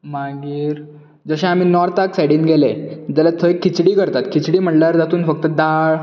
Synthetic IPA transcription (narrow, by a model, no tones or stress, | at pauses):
maɡiːɾ | d͡zəɕẽam̤iːnɔɾt̪aksajɽiːnɡʱeled͡ʑ̪alat̪ʰəekʰːit͡ɕɽiːkəɾt̪at̪kʰit͡ɕɽiːm̤əʈlaɾd͡zat̪uːnfək̚t̪əd̪aɭ